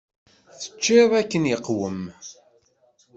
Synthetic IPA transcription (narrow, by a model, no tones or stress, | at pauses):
θə̥t͡ʃːɪðˤækːənjəqːwəm